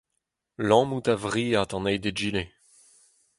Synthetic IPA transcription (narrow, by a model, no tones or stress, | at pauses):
lɑ̃mut̪avʁiːat̪ɑ̃nɛjd̪ed͡ʒile